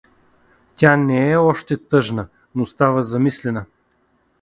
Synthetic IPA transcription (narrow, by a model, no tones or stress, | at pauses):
t̪ʲanɛɛɔʃt̪ɛt̪ɤʒnə | nost̪avəzɐmislɛnə